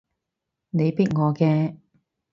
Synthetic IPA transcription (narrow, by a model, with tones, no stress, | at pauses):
ne˨˧jpiː˥t̚ŋɔː˨˧kɛː˧